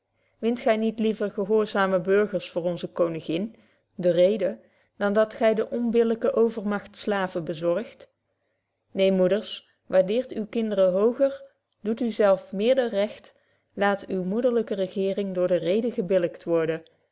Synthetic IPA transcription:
ʋɪntχɛjnitlivəɹχəɦʊːɹzaːməbɵɹχəɹsfʊːɹɔnzəkownɪɣɪn | dərejdə | d̥ɑndɑtχɛjdəʔɔnbɪləkəʔowvəɹmɑxtslaːvəbəzɔɹxt | nejmudəɹs | ʋaɹdɪːɹtywkɪndərəɦowɣəɹ | d̥utyzɛlˠfmɪːɹdərɛxt | laːtywmudəɹləkərəɣɪːrɪŋdʊːɹdərejdəɣəbɪləktʋɔɹdə

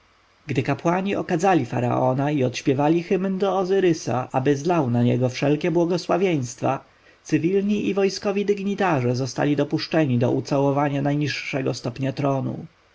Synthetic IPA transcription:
ɡd̪ɘkapwaɲiɔkad̪zalʲifa̰ɾa̰ʔɔnaiɔt̪ɕpʲjɛvalʲixɘmnd̪ɔːzɘɾɘsa̰ʔabɘzlawnaɲɛ̰ɡɔfʂɛlkʲɛbwɔɡɔswavʲjej̃st̪fa | t̪sɘvʲilɲiʔivɔjskɔvʲid̪ɘɡɲit̪aʐɛzɔst̪a̰lʲid̪ɔpuʂt͡ʂɛɲid̪ɔ̰ʔut̪sawɔvaɲanajɲiʂːɛɡɔst̪ɔpɲat̪ɾɔnṵ

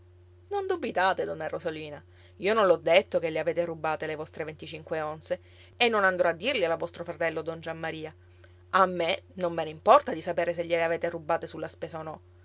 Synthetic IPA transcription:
nond̪ubit̪aːt̪ed̪ɔnːarozoliːna | iːonõnlɔd̪ːet̪ːokeleaveːt̪erubaːt̪elevɔst̪ɾevent̪it͡ʃiŋkweonse | enːonand̪ɾɔad̪ːirlialavɔst̪ɾofɾat̪ɛlːod̪ɔnd͡ʒamːaɾiːa | amːenomːeneimpɔrt̪ad̪isapeːɾes̬eʎːeleaveːt̪erubːaːt̪esulːaspeːzaonɔ

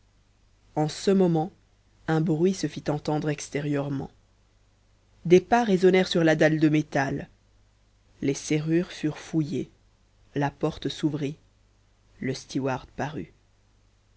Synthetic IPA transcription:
ɑ̃səmɔmɑ̃ | ɛ̃bʁɥisəfit̪ɑ̃t̪ɑ̃d̪ʁɛkst̪eʁjœʁmɑ̰̃ | d̪epaʁezɔnɛʁsyʁlad̪ald̪əmet̪al | eseʁyʁfyʁfuje | lapɔʁt̪suvʁi | ləst̪iwaʁd̪paʁy

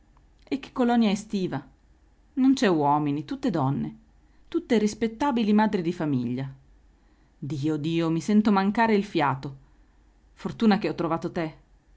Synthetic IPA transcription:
ek̟ːe̥kːolɔnjaɛst̪iːva | nont͡ʃɛwɔːminit̪ut̪ːed̪ɔnːe | t̪ut̪ːerispet̪ːaːbilimaːd̪ɾid̪ifamiʎːa | d̪iːod̪iːomisɛnt̪omaŋkaːɾeilfjaːt̪o | fort̪uːnak̟eɔt̪ːɾovaːt̪ot̪e

